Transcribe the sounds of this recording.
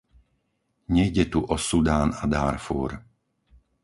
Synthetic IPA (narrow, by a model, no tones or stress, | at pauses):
ɲɛjɟɛt̪uʔɔsud̪aːnad̪aːɾfṵːɾ